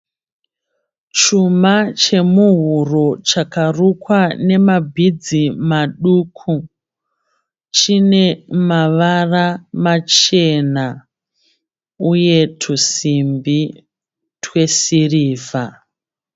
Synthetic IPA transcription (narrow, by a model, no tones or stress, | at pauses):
t͡ʃumat͡ʃe̞muɦuro̞t͡ʃakarukwane̞mabʱid͡zimaɗuːkʰu | t͡ʃine̞maʋaramat͡ʃe̞na | uje̞tʰusimbi | tʰwe̞siriːva